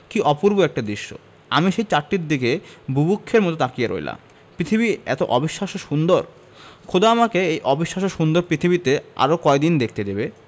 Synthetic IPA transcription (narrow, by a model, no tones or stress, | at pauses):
kiʔɔpuɾboɛk̚ʈad̪ɾiʃːo̰ | a̰miʃejt͡ɕaɾʈiɾd̪ikebʱubukʰːeɾmɔt̪ot̪akijaɾo̰jla̰m | pɾit̪ʰibiɛ̰t̪oʔɔbiʃːaʃoʃund̪oɾ | kʰod̪aamakeejʔɔbiʃːaʃoʃund̪oɾpɾit̪ʰibit̪ea̰ɾokɔed̪ind̪ek̚ʰt̪edebe